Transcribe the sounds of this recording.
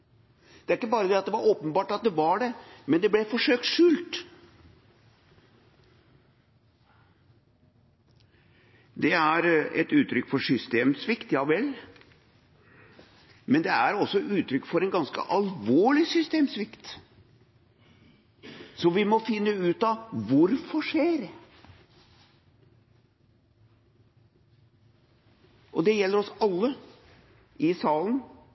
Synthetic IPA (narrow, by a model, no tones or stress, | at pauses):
d̪̥ɛæɾɪkːəbɑːɾəd̪ɛɑt̪d̪ɛʋɑɾoːpənbɑːʈɑt̪̚d̪ɛʋɑɖɛmɛnd̪ɛblɛfɔʂøːk̚t̪ʂʉːlt̪ | d̪ɛæɾɛ̰t̪ʉːt̪ɾʏkːfɔʂʏst̪eːmsʋɪkt̪jɑɪʋɛlː | mɛnd̪ɛæɾɔsːɔʔʉːt̪ɾʏkːfɔɾɛnɡɑnskə̰ʔɑlʋoːɭɪsʏst̪eːmsʋɪkt̪ | sɔʋɪmɔfɪnːəʉːt̪ɑʋʊɾfɔʂeːɾ | ʔɔd̪ɛjɛlːəɾɔsɑlːə | ʔɪsɑːlən